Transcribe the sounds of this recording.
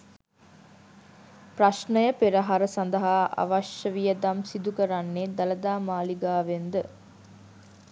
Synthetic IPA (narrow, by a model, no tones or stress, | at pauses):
praʃnəjəpeɾəɦaɾəsand̪əɦaʔa̰ʋaʃəʋijəd̪amsid̪ukəɾanːed̪ɐləd̪aːmaːliɡaːʋend̪ə